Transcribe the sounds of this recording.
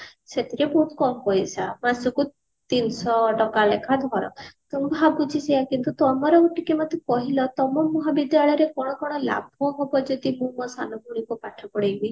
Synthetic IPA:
set̪iɾebuʈ̪kɔmkɔjsamansuku | t̪insɔʈɔkalḛkʰad̪ʱɔɾɔ̰t̪ɔmɔbʱaɡut͡ʃʰisejakint̪ut̪ɔmɔɾeuʈikemɔt̪ʰɔkɔɦilɔt̪ɔmɔmːɔɦabid̪jaɭɔjɔɾekɔɽ̃ɔkɔɽ̃ɔla̰bʱɔɦɔbɔd͡ʒɔd̪imũkɔsanɔɡʱuɽ̃ikupaʈʰɔkɔɽejbi

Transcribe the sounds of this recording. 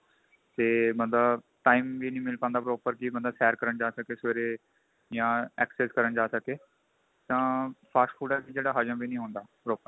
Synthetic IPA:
t̪eːmə̃nd̪aː | ʈaːiːmʋiːnĩːmɪlpãːnd̪aːpɾoːpəɾkɪmə̃nd̪aːsɛːɾkəɾəɳd͡ʒaːsəkeːsʋeːɾeː | jãːɛːkseːskəɾəɳd͡ʒaːsəkeː | t̪ãːpʰaːsʈpʰuːɖaːbiːd͡ʒeːɽaːɦəd͡ʒə̃mbiːnĩːɦoːnd̪aːpɾoːpəɾ

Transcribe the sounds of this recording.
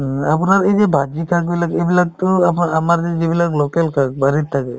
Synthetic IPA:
apunaɾejd͡ʒebʱad͡ʒikʰak̚bilaɡebilak̚t̪ɔapamaɾd͡ʒed͡ʒibilaklokɛlkʰak̚baɾit̪ʰːakɛ

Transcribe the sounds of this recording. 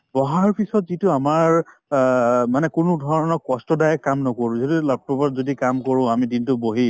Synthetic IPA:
bɔɦaɹɔɹpisɔtzitʊamaɹ | manɛkʊnʊdʱɔɹɔnɔkɔstɔdajɛkːamnɔkoɹʊ̃zodilab̚pɔbɔzodikamkɔɹʊ̃amidintʊboɦi

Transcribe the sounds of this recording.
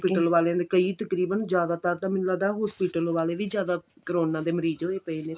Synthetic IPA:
piːʈəlʋaːleãːd̪ekəiːt̪əkɾiːbənzjaːd̪aːt̪əɾt̪ãːmɪnlaːd̪aːɦɔːspiːʈəlʋaːleːʋiːzjaːd̪aː | kəɾoːnãːd̪eːməɾiːzoːeːpəiːnẽː

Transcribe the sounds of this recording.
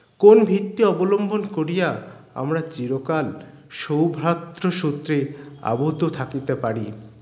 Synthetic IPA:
konbʱit̪ːiɔbolombʱonkoɾijaa̰mɾat͡ɕiɾokal | ʃowbʱɾat̪ːɾoʃut̪ːɾea̰bod̪ʱot̪ʰakit̪epaɾi

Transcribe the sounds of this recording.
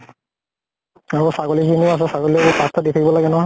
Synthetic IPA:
aɹɔsaɡɔlikinias̬ɛsaɡɔlibɔpast̪ʰaditʰakibɔlaɡɛnɔɦa

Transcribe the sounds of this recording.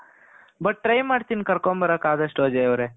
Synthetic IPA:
bɐʈ̚ːʈɾɐjmaːɖt̪inkɐɾkombɐɾɐkaːd̪ɐʂʈɦoːd͡ʒajɐʋɾeː

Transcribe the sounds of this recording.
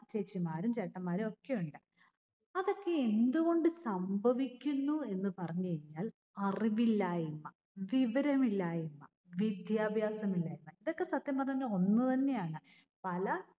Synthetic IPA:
t͡ɕet͡ɕːimaːɾumt͡ɕɐʈːɐmːaːɾuo̞kːejuɳɖɨ | ɐðo̞kːe̞end̪uɣo̞ɳɖɨsɐmbʱɐʋikʲːunːue̞nːɨpɐrɐɲːuɐɲːaːl | ɐriʋilːaːjimːɐ | ʋiʋɐɾɐmilːaːjimːɐ̰ | ʋid̪jaːbʱjaːsɐmilːaːjumːɐiðo̞kːe̞sɐt̪jɐmɐrɐɲɐnːɐo̞nːɨt̪ɐnːe̞jaːɳɨ | pɐlɐ

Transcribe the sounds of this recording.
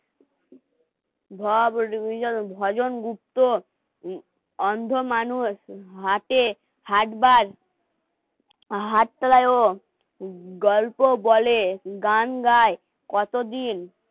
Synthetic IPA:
bʱɔbɔbʱɔd͡ʑonɡup̚t̪o | ɔnd̪ʱomanusɦaʈe | haʈbaɾ | ɦaʈ̚t̪alajo | ɡɔlpobɔleɡanɡaj | kɔt̪od̪in

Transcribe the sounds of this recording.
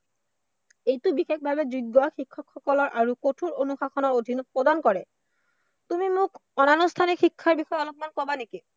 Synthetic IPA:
ejtubixek̚bʱabed͡ʑuɡːɔxikʰːokʰːɔkɔlɔɾʔaɾukoʈʰuɾonuxaxʰonaɾod̪ʱinopɾod̪ankɔɾe | t̪umimukɔnanost̪ʰanexikʰːaɾbixɔeɔlopmankɔbaniki

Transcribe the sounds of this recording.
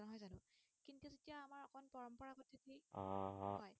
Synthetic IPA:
nɔɦɔjzanʊ | kintukezetijaːmaɹɔkʰɔnpɔɹɔmpɔɹaɡɔtʰːitʰiɔ̃ɦɔɔj

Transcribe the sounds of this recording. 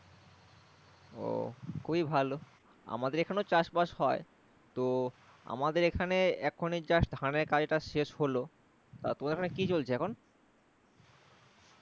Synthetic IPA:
o̰kʰubibʱalo | a̰mad̪eɾekʰaneot͡ɕaʃbaʃɦɔe | t̪o | a̰mad̪eɾekʰaneɛkʰonid͡ʑaʃd̪ʱaneɾkad͡ʑʈaʃeʃholo | t̪at̪omadeɾkʰanekit͡ɕolt͡ɕʰeɛkʰon

